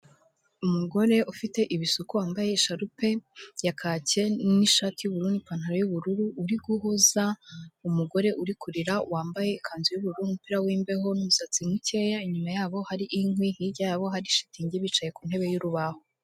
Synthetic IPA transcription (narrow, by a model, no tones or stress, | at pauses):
umuɡo̞ɾe̞ʔufite̞ʔiβisukuwaːmbaje̞iʃaɾupe̞jakʰace̞niʃaːtijuβuɾundipan̥haɾojuβuɾuɾuʔːɾiɡuhuzaumuɡo̞ɾe̞ʔuɾikʰuɾiɾawaːmbaje̞ikʰaːnzujuβuɾuunumupiɾawiːmbe̞ɦo̞numusat͡simwice̞jaiɲumajaːβo̞haɾiʔiŋwihiɟajaβo̞ɦaɾiʃi̥tiɲɟiβit͡ʃaje̞kun̥he̞βe̞juɾuβaho